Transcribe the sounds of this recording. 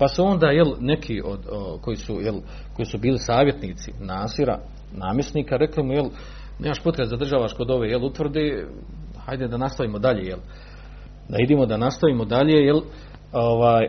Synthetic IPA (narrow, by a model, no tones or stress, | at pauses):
pasuo̞nd̪aːje̞lne̞kʰiːʔo̰d̪oko̞jisujel | ko̞jiːsubiːlisaːʋje̞t̪niːt̪sḭnaːsiɾa̰ | naːmjesniːkaɾe̞klimujel | neːmaʃpot̪ɾezad̪r̩ʒaːʋaʃko̞d̪o̞ʋeːjelut̪ʋr̩d̪eː | hajd̪ed̪anast̪aʋiːmod̪aʎeːjel | d̪aid̪eːmo̞d̪anast̪aʋiːmod̪aʎeːjel | oʋaːj